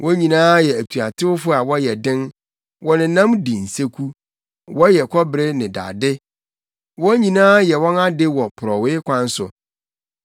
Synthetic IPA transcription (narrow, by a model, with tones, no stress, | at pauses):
wʔɔ̃˦ɲĩ˨nãː˦jɛ˨æ˨tʰu˨a˨tʰɪ˦wʊ˦fʊ˦a˨wɔ˦jɛ˨dɪ̃˦n | wɔ˦nɪ̃˨nã˦mdi˨n̩˨se˦kʰu˦ | wɔ˦jɛ˨kʰɔ˦bɾɪ˦nɪ̃˨da̰ː˨dɪ˦ | wɔ̃˦ɲĩ˨nãː˦jɛ˨wɔ̃˦na˦dɪ˦wɔ˨pʰʊ˨ɾɔ˨wɪ˦kʰʷã˦n˦sʊ̰˨